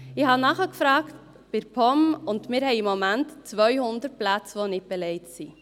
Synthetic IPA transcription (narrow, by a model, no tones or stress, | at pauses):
ɪhɑnɑχəkfɾɑːkt | b̥ɪɾpʰɔmʊndmɪːɾhɛɪjimːomæntt͡sʋœʏhʊnd̪ət̚plæt͡sʋonɪt̚b̥ɛlɛɪtsi